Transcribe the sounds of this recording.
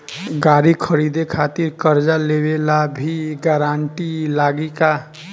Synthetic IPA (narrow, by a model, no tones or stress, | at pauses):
ɡaɾikʰəɾid̪ekʰat̪iɾkəɾd͡ʒalebelabʱiɡaɾaɳʈilaɡika